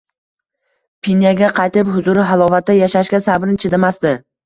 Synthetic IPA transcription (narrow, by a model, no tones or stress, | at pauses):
pʰinjaɡʲaqʰɑjt̪ɪpɦʊzʊɾɪɦalˠɒvat̪̚ːajaʃaʃkʲasabɾnt͡ʃʰed̪amasd̪ɪ